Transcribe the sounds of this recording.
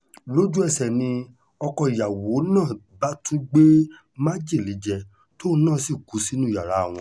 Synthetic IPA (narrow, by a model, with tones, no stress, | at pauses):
lo˦d͡ʒu˦ɛ˦˧˨sɛ˨nĩ˧ | ɔ˧kɔ˧i˨ja˨wo˨˦nãː˦˨ | ba˦tũ˦ɡ͡be˦ | mã˦d͡ʒie˦˨li˨˦d͡ʒɛ˧ | to˦˧˦nãː˦˨si˦˨ku˨˦si˦nũ˦˨a˨ɾa˨˦˨w̃ɔ̃˧